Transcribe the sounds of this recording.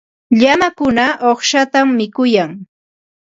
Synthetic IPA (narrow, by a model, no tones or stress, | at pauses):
ʎamakʊnaʔoχʃat̪amːɪkʊjaŋ